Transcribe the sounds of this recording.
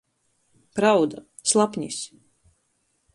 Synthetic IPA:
pɾawd̪a | slˠapɲʲis

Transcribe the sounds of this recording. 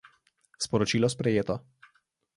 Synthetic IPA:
spɔɾɔt͡ʃiːlɔspɾɛjeːt̪ɔ

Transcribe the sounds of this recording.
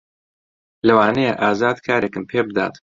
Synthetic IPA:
lɐwaːnejḛʔaːzaːd̪kʰaːɾekɨmpʰeːbɨd̪a̰ːt̪

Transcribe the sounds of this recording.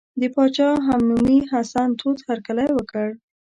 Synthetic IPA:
d̪əpɑt͡ʃɑɦamnumiɦasant̪ʰot̪haɾkalajwəkəɽ

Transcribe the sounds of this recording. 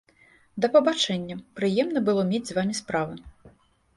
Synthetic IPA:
d̪ɐpɐbat͡ʂɛnʲːɐpɾɨjɛmnɐbɨlˠɔmʲed͡zʲzvamʲispɾavɨ

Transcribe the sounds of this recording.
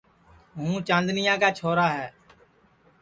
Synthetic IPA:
ɦũːt͡ʃãːnd̪nɪjãːkaːt͡ʃʰoːɾaːɦɛː

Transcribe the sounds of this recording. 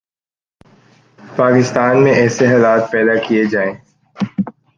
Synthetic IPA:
paːkɪst̪aːnmẽʔɛːseɦaːlaːt̪̚pɛːd̪akijed͡ʒaːẽː

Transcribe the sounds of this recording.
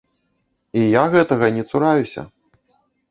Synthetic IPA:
ijaɣɛt̪ɐɣɐnʲɛt̪suɾajusʲɐ̰

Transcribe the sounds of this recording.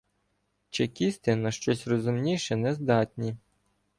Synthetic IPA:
t͡ʃekʲist̪ɪnɐʃt͡ʃɔsʲrɔzʊmnʲiʃɛnɛzd̪ɑtʲnʲi

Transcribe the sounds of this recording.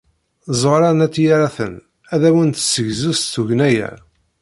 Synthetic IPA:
zˤoɾˤɑnæt̪ːjaɾæθən | æðæwənt̪səʝzust̪uʝnæjæ̰

